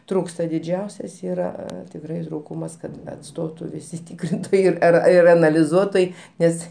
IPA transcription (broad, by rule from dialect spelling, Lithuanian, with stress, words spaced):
ˈtruːkstɐ dʲɪˈd͡ʒʲɛʊsʲɛs ˈiːrɐ tʲɪkˈrɐɪ ˈtruːkʊmɐs ˈkɐt ɐtˈstoːtʊ ʋʲɪˈsʲɪ ˈtʲɪkrʲɪntoːjɛɪ ˈɪr ˈɐr ɪr ɐnɐlʲɪˈzuɔtoːjɛɪ ˈnʲɛs